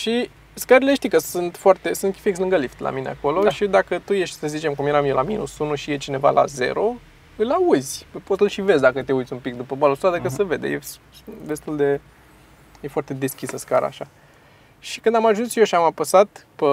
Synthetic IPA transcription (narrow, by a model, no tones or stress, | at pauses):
ʃi | skəɾile̞ʃt̪ikəsɨnt̪foart̪esɨnt̪kʲifikslɨŋɡəlift̪lʔa̰minḛa̰ko̞lo̞ʃid̪akət̪uje̞ʃt̪ʲsəzit͡ʃe̞mkumjeɾamijeolamḭnṵsunuʃijet͡ʃine̞va̰lʔa̰ze̞̰ɾo̞ | ɨlauzʲpəpot̪sɨlʃive̞zʲd̪akət̪eud̪zʲumpik̚d̪upəbalosad̪əkəsəve̞d̪ḛje | d̪e̞st̪uld̪e̞ | je̞foart̪e̞d̪e̞skʲisəskaɾa̰ːʃa | ʃikɨnd̪amaʒunsjeoʃiamapəsat̪pə